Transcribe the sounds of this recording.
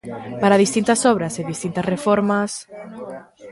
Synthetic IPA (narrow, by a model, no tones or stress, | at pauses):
paɾaðist̪int̪asɔβ̞ɾaseðist̪int̪asrefoɾmas